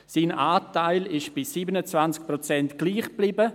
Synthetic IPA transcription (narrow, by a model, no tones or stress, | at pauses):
siːnʔaːtaɪlɪʃb̥ɪsiːbənət͡svant͡sk̚pɾot͡sɛntɡ̥liːχb̥liːbə